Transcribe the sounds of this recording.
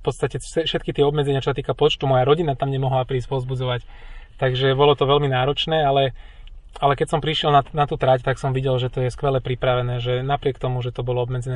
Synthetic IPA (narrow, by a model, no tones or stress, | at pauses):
fpɔt̪st̪acɛsɛfʃɛt̪kit̪ɪɛɔbmɛd͡zɛɲɪat͡ʃɔsat̪iːkapɔt͡ʃt̪umɔjaɾɔɟinat̪amɲɛmɔɦlapɾiːs̬cpɔzbud͡zɔʋac | t̪aɡʒɛbɔlɔt̪ɔʋɛlminaːɾɔt͡ʃnɛːalɛ | alɛkɛcsɔmpɾiʃɪɛlnanat̪uːt̪ɾact̪aksɔmʋiɟɛlʒɛt̪ɔjɛskʋɛlɛpɾipɾaʋɛnɛːʒɛnapɾɪɛkt̪ɔmuʒɛt̪ɔbɔlɔɔbmɛd͡zɛnɛ